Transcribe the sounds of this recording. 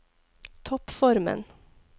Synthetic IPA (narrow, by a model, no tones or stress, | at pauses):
t̪ʰɔpfɔɾmə̰n